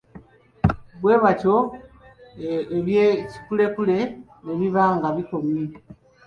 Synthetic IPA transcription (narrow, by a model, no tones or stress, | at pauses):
βwe̞ːβaco̞ | eβjeci̥kule̞kule̞ | neβiβaːŋɡaβiko̞mi